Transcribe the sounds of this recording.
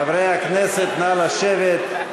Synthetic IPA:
avɾejakneset̪nalaʃevet̪

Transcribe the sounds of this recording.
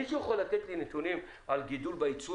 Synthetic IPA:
iʃueχolat̪et̪linet̪unim | alɡid̪ulbait͡su

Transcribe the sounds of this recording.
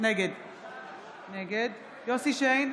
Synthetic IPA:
neɡed̪ | neɡed̪ | josiʃejn

